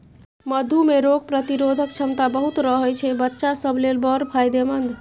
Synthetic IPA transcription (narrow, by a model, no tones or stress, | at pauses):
məd̪ʱumeɾoɡ̚pɾət̪iɾod̪ʱək̚t͡ʃʰəmt̪abəɦut̪ɾəɦəjt͡ʃʰɛbətːʃasəbʱlelbəɾpʰajd̪emənd̪ʱ